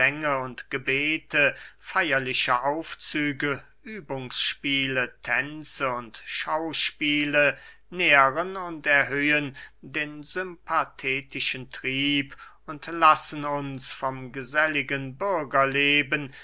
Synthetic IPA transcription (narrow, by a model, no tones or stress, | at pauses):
ɛŋəʊntɡ̥əbeːtʰəfaɪɐlɪʃəʔaʊft͡syːɡə | ʔyːbʊŋsʃpiːlətʰɛnt͡səʊntʃaʊʃpiːlə | neːʁənʊntɛɐɦøːəndeːnzʏmpʰatʰɛːtɪʃəntʁ̥iːp | ʊntlasən̩ʊnsfɔmɡəzɛlɪɡənbʏɐɡɐleːbən